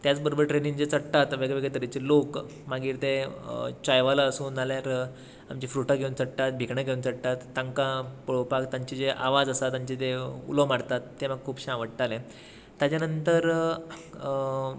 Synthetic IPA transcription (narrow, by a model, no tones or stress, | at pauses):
t̪jat͡sbəɾobəɾʈɾeniŋd͡zet͡səɽt̪at̪ʋeɡeʋeɡɭet̪əɾit͡ɕelok | maɡiːɾt̪et͡ɕajʋalaəsuːnaljaɾ | amt͡ɕifɾuʈaɡʱeunt͡səɽʈ̪at̪̚bʱikɳəɡʱeunt͡səɽt̪at̪ːãŋkãpəɭopakt̪ãɲt͡ɕid͡zeʔa̰ʋad͡zəsat̪ãɲt͡ɕit̪eṵləmaɽt̪at̪ːeməɡ̚kʰuːpɕãʋəɽʈalẽ | t̪jat͡ɕjanənt̪əɾ